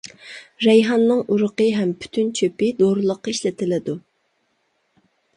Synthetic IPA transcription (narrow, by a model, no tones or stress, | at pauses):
ɾɛjɦɑnːɨŋʔuɾʊqəɦɛmpʰy̥t̪ʰynt͡ʃʰøpɪd̪oɾɨlˠəqːɑiʃlɪt̪ʰɪlɪd̪u